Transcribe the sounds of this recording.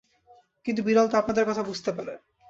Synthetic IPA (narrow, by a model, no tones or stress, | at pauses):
kint̪ubiɾalt̪oapnad̪eɾkɔt̪ʰabud͡ʑʱt̪epaɾe